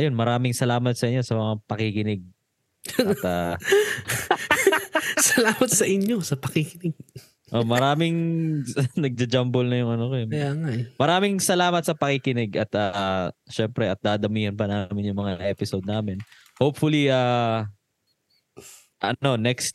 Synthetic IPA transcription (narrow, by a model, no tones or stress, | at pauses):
ʔɐjo̞nmɐɾaːmɪŋsɐlaːmɐt̪̚sɐʔɪɲːo̞sɐmɐŋapɐkɪkɪnɪɡ̚ | ɐt̪a | sɐlaːmɐt̪sɐʔɪɲjosɐpɐkikɪnɪɡ̚ | ʔo̞mɐɾaːmɪŋ | nɐɡ̚d͡ʒɐd͡ʒambolnɐjʊŋɐnokoɐjaːŋaʔmɐɾaːmɪŋsɐlaːmɐt̪̚sɐpɐkɪkɪnɪɡɐt̪aʃɛmpɾɛʔɐt̪̚d̪aːd̪ɐmiːhɐnpɐnaːmɪnjʊŋmɐŋaʔɛːpɪsod̪̚naːmɪn | howpfʊliʔa | ʔɐno̞nɛkst̪̚